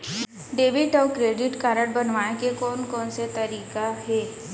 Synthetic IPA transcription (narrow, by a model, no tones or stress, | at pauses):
ɖeːʋɪʈɔːkɾeːɖɪʈkaːɾəɽbɐnʋaːnekekɔːnkɔːnset̪ɐɾiːkaɦɛː